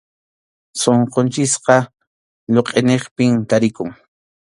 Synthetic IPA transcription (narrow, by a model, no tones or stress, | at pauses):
soɴqont͡ʃɪsqɑ | ʎoqʼeneχpɪmt̪aɾɪkʊŋ